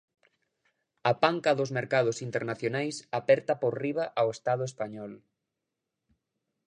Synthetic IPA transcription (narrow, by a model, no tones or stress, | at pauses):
ɐpaŋkɐðʊzmeɾkað̞ʊsint̪eɾnaθjonajsapɛɾt̪ɐpoɾriβ̞aʔawest̪að̞ʊespaɲɔl